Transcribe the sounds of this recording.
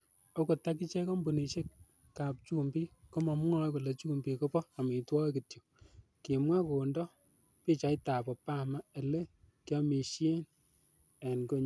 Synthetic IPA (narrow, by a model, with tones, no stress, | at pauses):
ɔ˦ko˨ta˦k̬i˦t͡ʃɛ˦kɔ˦mbu˨ni˨ʃe˦k | ka˨p̚t͡ʃu˦mbi˦ko˦mɔ˨m˦ŋɔ˦jko˨lɛ˨t͡ʃu˦mbi˨ko˦pɔ˦a˨mi˨twɔ˦kɪ˨tjo˨ | ki˨mwa˦ko˨ndɔ˦ | pi˦t͡ʃa˨ɪ˦ta˨bɔ˨pa˦ma˦e˨le˦ | kjɔ˦mi˨ʃje˦n | e˨nko˦ɲ